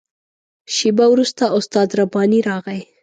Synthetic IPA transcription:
ʃibawɾust̪aʔʊst̪ɑd̪ɾabɑniɾɑɣaj

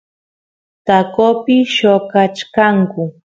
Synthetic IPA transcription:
t̪akopɪʃokat͡ʃkaŋkʊ

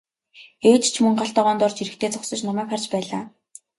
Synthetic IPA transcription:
eːt͡ɕt͡ɕʰmɵŋɢaɬt̪ɔːʁɔːnt̪ʊrt͡ɕiɾɘ̆kt̪ʰeːt͡sɔksɞ̆t͡ɕnɔmæːkχart͡ɕpæːɮaː

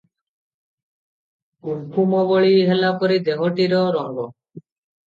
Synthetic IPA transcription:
ukʰumɔbɔɭiɦɛlapɔɾid̪eɦɔʈiɾɔɾɔŋɡɔ

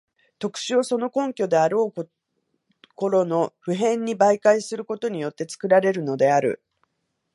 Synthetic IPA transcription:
t̪o̞kɯ̥ɕio̞so̞no̞kõ̞ŋkʲo̞d̪e̞aɾo̞ː | ko̞ɾo̞no̞ɸɯ̟ɦẽ̞ɲ̟ːibaikaisɨɾɯ̟ko̞t̪o̞ɲ̟ijo̞t̪ːe̞t͡sɨ̥kɯ̟ɾaɾe̞ɾɯ̟no̞d̪e̞aɾɯ̟̰

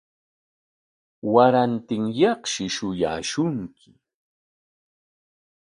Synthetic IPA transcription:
waɾant̪ɪŋjɑχʃɪʃʊja̰ːʃʊŋkʰɪ̥

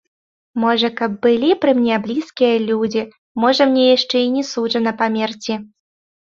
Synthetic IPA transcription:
mɔʐɐkɐb̚ːɨlʲipɾɨmnʲɛblʲiskʲijɐlʲud͡zʲi | mɔʐɐmnʲɛjaʂt͡ʂɛinʲɛsuʐɐnɐpamʲɛrt͡sʲi

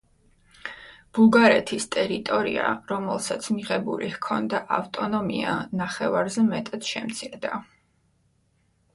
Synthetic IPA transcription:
b̥uɡaɾɛt̪ʰist̪ʼɛɾit̪ʼɔɾiaɾɔmɛlˠsat̪sʰmiʁɛbuɾihkʰɔnd̪aʔaft̪ʼɔnɔmianaχɛvaɾzɛmɛt̪ʼad̪ʃɛmt̪sʰiɾd̪a

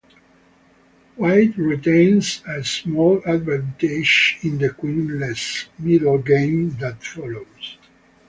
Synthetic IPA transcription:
waɪdɹit̪ẽɪnsəsmɔlad̪væ̃nt̪iʃĩnd̪əkwĩnlɛsmidlɡẽɪ̃md̪æt̪fɔloz̥

